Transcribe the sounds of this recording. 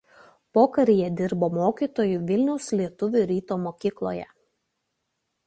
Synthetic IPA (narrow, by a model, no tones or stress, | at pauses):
poːkɐɾʲijɛd̪ʲɪɾboːmoːkʲiːˑt̪oːjuːˑʋʲɪlʲnʲɛʊslʲiɛt̪ʊʋʲʊˑɾʲiːt̪oːmoːkʲiːklˠo̰ːjɛ̰